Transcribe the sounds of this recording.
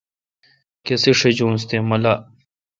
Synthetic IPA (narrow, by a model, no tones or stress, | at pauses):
keseʂed͡ʑũːnst̪emɐla